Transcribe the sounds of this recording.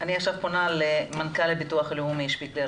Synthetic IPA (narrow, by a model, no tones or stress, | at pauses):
ʔaniaχʃavponalemankalːebituaχlehumijiʃpikle